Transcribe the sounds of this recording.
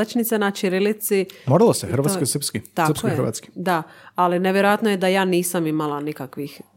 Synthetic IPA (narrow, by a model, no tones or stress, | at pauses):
at͡ʃnit̪senat͡ʃiɾilit̪simoːɾalˠosexɾ̩ʋat̪kkosɾpskit̪akskoxɾʋa̰t̪ski̥d̪aalineʋjeɾojat̪nojed̪ajaːniːsamimalˠanikakʋix